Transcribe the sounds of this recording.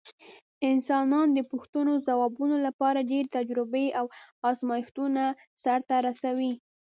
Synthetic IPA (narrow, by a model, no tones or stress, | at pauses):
ɪnsɑnɑnd̪əpʊxt̪unozawɑbunolapɑɾaɖeɾt̪ad͡ʒɾɪbeʔawɑzmɑjɪxt̪una | saɾt̪aɾasawi